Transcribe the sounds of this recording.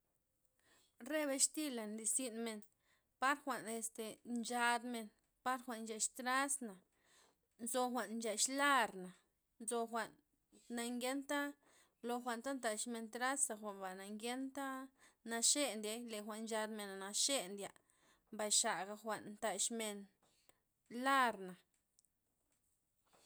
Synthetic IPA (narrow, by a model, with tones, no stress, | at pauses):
re˦βe˧ʃt̪i˦la˨nli˧˨si˦nme˧n | pa˦ɾxʷa˨ʔne˧st̪e˨nt͡ʃa˧d̪me˧n | pa˦ɾxʷa˨ʔnnt͡ʃa˧˨ʃt̪ɾa˦sna˨ | nzo˧xʷa˨nnt͡ʃa˧ʃla˦ɾna˨ | nzo˧xʷa˨ʔnː | a˧ŋɡe˦nt̪a˦ | lo˧xʷa˨nt̪a˦nt̪a˧˨ʃme˧nt̪ɾa˦sa˧xʷa˨nba˨na˨ŋɡʲe˦nt̪a˦na˧ʃe˦nd̪ʲe˧jle˨xʷa˨ʔnnt͡ʃa˧d̪me˨na˨na˧ʃe˦nd̪ʲja˨ʔ | mba˨jʃa˨ɡa˧xʷa˨ʔnnt̪a˨ʃme˧n | la˦ɾna˨